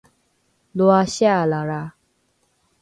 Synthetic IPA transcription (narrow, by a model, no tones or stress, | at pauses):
loaɕalaɾa